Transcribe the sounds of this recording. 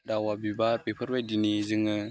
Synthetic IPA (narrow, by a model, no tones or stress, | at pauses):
dawabibaɾpepʰəɾbajdinizɯŋɯ